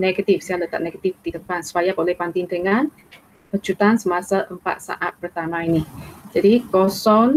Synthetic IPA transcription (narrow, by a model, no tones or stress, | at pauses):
nɛɡat̪ifsialət̪a̰ʔ̚nɛɡat̪ifd̪idəpansəpajakolɛhpant̪ɪŋd̪əŋan | pət͡ʃut̪ansəmasaʔəmpa̰t̪̚sa̰ʔat̪̚pərt̪amãinid͡ʒadiɡɔsɔn